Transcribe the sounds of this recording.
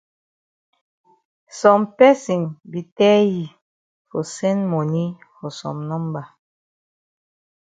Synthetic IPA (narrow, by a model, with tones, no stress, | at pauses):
sɔ˨mpɛ˦si˨ŋbi˨tɛ˦ji˨ | fɔ˨sɛ˦nmo˨ni˦ | fɔ˨sɔ̰˨mnɔ˦mba˨